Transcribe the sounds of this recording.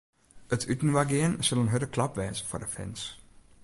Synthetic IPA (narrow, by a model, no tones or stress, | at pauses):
ətʰytn̩ʋaɡɪənsəlˠənɦødəkʰlɑpʋɛːsə̥fɔrdəfɛ̰ns